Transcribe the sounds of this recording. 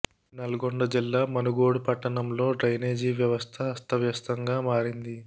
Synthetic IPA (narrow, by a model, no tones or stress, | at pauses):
nɐluɡoɳɖɐd͡ʒilːaːmɐnuɡoːɽupɐʈːɐɳɐmlo̞ːɖɾɐjneːd͡ʒiːʋjɐʋɐst̪ʰɐːst̪ʰɐʋjɐst̪ɐŋɡaːmaːɾind̪i